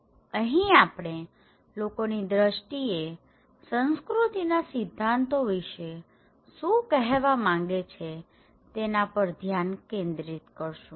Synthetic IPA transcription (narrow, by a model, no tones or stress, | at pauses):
əɦĩapɽ̃e | lokonid̪ɾəʃʈie | sə̃nskɾut̪inasɪd̪ʱːant̪oʋiʃe | ʃũkɛɦʋamãŋ̆ɡet͡ʃʰe | t̪enapəɾd̪ʱjankẽnd̪ɾit̪kəɾʃũ